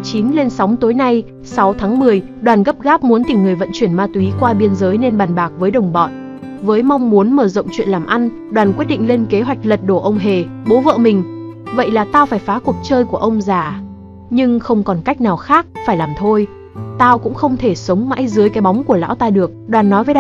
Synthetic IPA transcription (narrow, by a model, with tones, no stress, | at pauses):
t͡ɕi˨˦nle˧nsa˨˦wŋ͡mt̪o˨˦jna˧j | sa˨˦wt̪ʰaː˨˦ŋmɨ˨˩əj | ɗwaː˨˩nɣə˦˥p̚ɣaː˦˥p̚mu˨˦ənt̪ï˧˩ŋːɨ˨˩əjvə̰˧˨nt͡ɕwi˧˩ənmaː˧t̪wi˨˦kwaː˧ɓi˧ənzəː˨˦jne˧nɓaː˨˩nɓaː˨˩k̚vəː˨˦jɗə˨˩wŋ͡mɓɔ̰˧˨n | vəː˨˦jma˧wŋ͡mmu˨˦ənməː˧˩zə̰˧˨wŋ͡mt͡ɕwḭ˧˨ənlaː˨˩mʔa˧n | ɗwaː˨˩nkwi˦˥t̚ɗḭ˧˨ŋ̟le˧nke˨˦ɦwa˨˩jk̟̚lə˨˩t̚ɗo˧˩ʔə˧wŋ͡mɦe˨˩ɓo˨˦və̰ː˧˨mï˨˩ŋ̟və̰˧˨jlaː˨˩t̪aː˧wfaː˧˩jfaː˨˦ku˨˩ək̚t͡ɕəː˧jku˧˩əʔə˧wŋ͡mzaː˧˩ | ɲɨ˧ŋxə˧wŋ͡mkɔ˨˩nka˦˥jk̟̚naː˨˩wxaː˦˥k̚faː˧˩jlaː˨˩mt̪ʰo˧j | t̪aː˧wkʊ̰˧˥ŋ͡mxə˧wŋ͡mt̪ʰe˧˩sə˨˦wŋ͡mma̰ː˧˥jzɨ˨˦əjkaː˨˦jɓɔ˨˦wŋ͡mku˧˩əla̰ː˧˥wt̪aː˧ɗɨ˨˩ək̚ɗwaː˨˩nːɔ˨˦jvəː˨˦˧